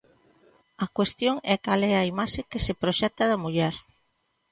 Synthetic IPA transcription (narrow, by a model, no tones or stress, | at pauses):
ɐkwest̪joŋɛkalɛɐimaʃekesepɾoʃɛt̪ɐðɐmuʎɛɾ